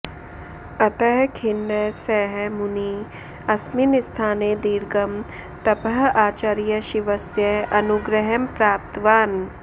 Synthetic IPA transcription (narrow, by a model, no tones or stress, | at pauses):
ɐt̪ɛɦkʰɪnːɛsɛːɦmʊni | ɐsminɪst̪ʰaːned̪iːɾɡɐm | t̪ɐpəɦaːt͡ʃaɾijɐʃiʋɐsjəʔɐnuɡɾəɦəmpɾaːp̚t̪ʋaːn